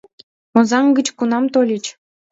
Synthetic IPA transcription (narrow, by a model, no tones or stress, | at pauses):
mŏzɑŋɡə̆t͡ɕkunɑmt̪olʲit͡ɕ